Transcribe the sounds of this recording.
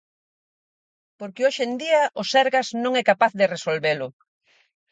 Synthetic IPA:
poɾkɪoʃend̪iaʔʊsɛɾɣaznõŋɛkapaθðɪresolβelʊ

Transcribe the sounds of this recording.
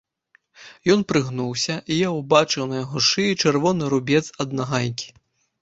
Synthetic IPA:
jɔnpɾɨɣnuwsʲɐʔijawbat͡ʂɨwnɐjaɣɔʂɨit͡ʂɛrvɔnɨɾubʲɛt̪sɐd̪naɣajʲkʲi̥

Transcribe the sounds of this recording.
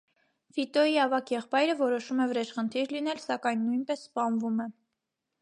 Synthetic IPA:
fit̪ɔiɑvɑkʰjɛχpɑjɾəvɔɾɔʃumɛvəɾɛt͡ʃχənt̪ʰiɾlinɛlsɑkɑjnːujnpɛsːpɑnvumɛ

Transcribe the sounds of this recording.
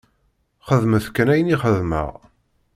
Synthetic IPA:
χəðməθkːənæjəniχəðmə̰ʁ

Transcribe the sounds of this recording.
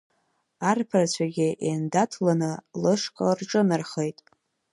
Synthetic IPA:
arpʰarat͡ɕʷʰaɡʲɪʔendatʰlanɨlɨʂkʼarʈ͡ʂʼɨnɨrχejtʼ

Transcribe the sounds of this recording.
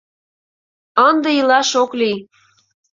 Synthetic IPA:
ənd̪ĕilɑʃokli

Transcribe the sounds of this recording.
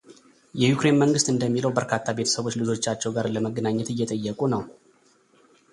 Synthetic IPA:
jɛjukɾe̞nməŋɡɨst̪ʼɨnd̪əmːiləwbəɾkʰat̪ʰːabet̪ʰə̥səβo̞t͡ʃːlɨzo̞t͡ʃːat͡ʃːɛwɡaɾləməɡːənaɲːɛt̪ɨjːɛt̪ʼəjːəkʼunəw

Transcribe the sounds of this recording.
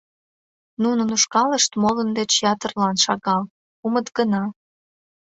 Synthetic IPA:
nunə̆nuʃkɑləʃt̪molənd̪et͡ɕjɑt̪ərlɑnʃɑɣɑl | umət̪ɡənɑ

